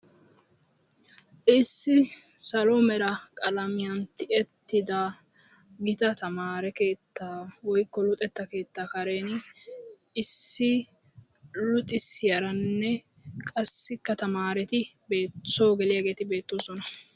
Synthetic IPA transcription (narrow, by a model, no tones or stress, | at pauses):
ʔɪsːɪ | sɐlomɛɾɐkʼɐlɐmɪjɐnt̪ɪɛt̪ːɪd̪ɐ | ɡɪt̪ɐt̪ɐmaːɾɛke̞ːt̪ːaːwɔjkːɔlʊt̪ʼɛt̪ːɐke̞ːt̪ːaːkɐɾe̞ːn | ɪsːɪ | lʊt̪ʼɪsɪjɐɾɐnːɛ | kʼɐsːɪkːɐt̪ɐmaːɾɛt̪ɪ | be̞ːtsoːɡɛlɪjaɡe̞ːt̪ɪbe̞ːt̪ːoːsɔnɐ